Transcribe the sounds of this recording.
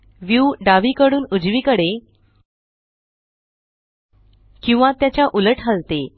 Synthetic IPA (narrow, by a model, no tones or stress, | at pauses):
ʋjuɖaʋiːkəɽuːnud͡zʋikəɽe | kĩw̃ʋãt̪jat͡ɕjaʔuləʈʰalt̪e